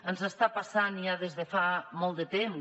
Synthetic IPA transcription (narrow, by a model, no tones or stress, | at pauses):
ənzəst̪apasaniaðezðefamɔlˠt̪d̪ət̪em